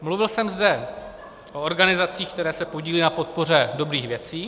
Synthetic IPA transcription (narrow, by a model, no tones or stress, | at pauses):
mluvɪlsɛmzdɛ | ʔo̞oɾɡanɪzat͡siːxk̚t̪ɛɾɛːsɛpo̞ɟiːlɪnapo̞t̪̚po̞r̝ɛdo̞bɾiːxvjɛt͡siː